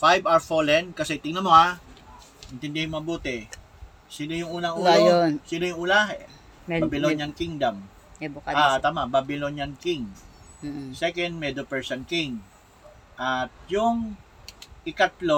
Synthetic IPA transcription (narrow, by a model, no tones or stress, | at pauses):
fajbaɹfolɛnkɐsɛt̪ɪŋnɐmo̞ha | ʔɪnt̪ɪnd̪ɛhnmɐbuːt̪ɛ | sinojʊŋʔuːnɐŋʔuːlojonsinojʊŋʔuːla | babɪlonjankiŋd̪am | ɛbaat̪aːmababɪlonɐnkiŋ | sɛkɐnd̪̚mɛd̪opɛɹsɐnkiŋ | ʔɐt̪̚jʊŋ | ʔɪkɐt̪lo